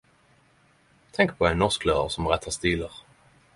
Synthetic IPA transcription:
t̪ʰɛŋk̚pʰɔɛɪnːɔʁsklɑːə̰ʁsɔmʁɛt̪ʰːɑst̪iːləʁ

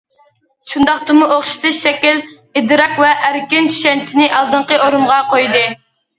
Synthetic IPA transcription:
ʃund̪ɑχt̪ɨmuʔoχʃi̥t̪ʰɨʃʃɛkʲil | ɪd̪ɨɾɑkvɛʔːɾkʲɪnt͡ʃ̪ʰy̥ʃɛnt͡ʃʰinɪʔɑlˠd̪ɨɴqəoɾunʁɑqʰojd̪ɨ

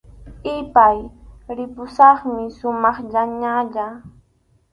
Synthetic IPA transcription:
ɪpajɾɪpʊsɑχmɪʃʊmɑχʎaɲaʎa

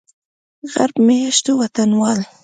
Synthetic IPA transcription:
ɣaɾbmejaʃt̪owat̪anwɑl

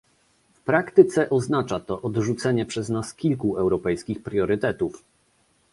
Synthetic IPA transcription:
fpɾakt̪ɘt̪sɛʔɔznat͡ʂat̪ɔʔɔd̪ʐut̪sɛɲɛpʂɛznaskʲilkuɛwɾɔpɛjskʲixpɾjɔɾɘt̪ɛt̪uf

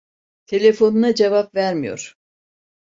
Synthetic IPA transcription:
t̪ʰe̞lʲe̞fo̞nunad͡ʒevapvæɾmijo̞̰ɾ̥

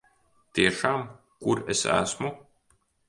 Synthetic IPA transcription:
t̪iɛʃaːm | kuɾesæ̰smu

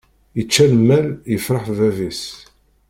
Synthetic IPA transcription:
jət͡ʃːælmːæljəfɾˤəħvævis

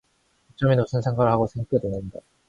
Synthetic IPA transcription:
ut͡ɕ͈ʌminousʰɯnsʰe̞ŋɡwaɾɯɭɦhaɡosʰe̞ŋɡak͈ʰedwenɯnda

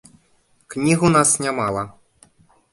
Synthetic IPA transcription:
knʲiɣunasnʲamalˠɐ

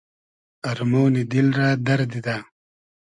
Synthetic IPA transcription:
ɐɾmownid̪ilɾaːd̪ɐɾd̪id̪aː

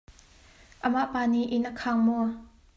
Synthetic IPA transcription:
ʔəmaʔpaːniʔɪnʔəkʰaŋmɔ

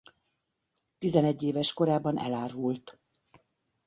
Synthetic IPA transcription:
t̪izɛnɛɟːeːvɛʃko̞ɾaːbɒnʔɛ̰laːrvult̪

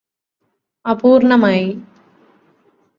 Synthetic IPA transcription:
ɐpuːɾɳɐmaj

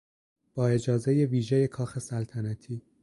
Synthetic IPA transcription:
b̥ɒːe̞d͡ʒɒːze̞je̞viːʒeje̞kʰɒːxe̞sælt̪ʰænæt̪ʰiː

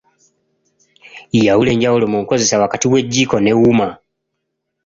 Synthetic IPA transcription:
ijawule̞ːɲɟahulo̞muŋko̞ze̞sawakatiwe̞ɟːiːko̞newuma

